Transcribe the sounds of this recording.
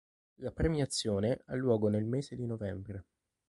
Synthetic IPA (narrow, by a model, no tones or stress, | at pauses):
lapɾemiat̪sːjoːneʔalːwɔːɡonelmeːzed̪inovɛmbɾe